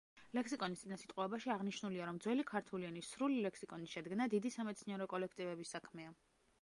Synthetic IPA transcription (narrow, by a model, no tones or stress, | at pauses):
lɛksikʼɔnist̪ʼinasit̪ʼqʼɔɛbaʃiaʁniʃnuliaɾɔmd̪zwɛlikʰaɾt̪ʰulianisɾulilɛkʰsikʼɔniʃɛd̪ɡnad̪id̪isamɛt̪sʰniɛɾɔkʼɔlɛkʰt̪ʼivɛbisːakʰmɛa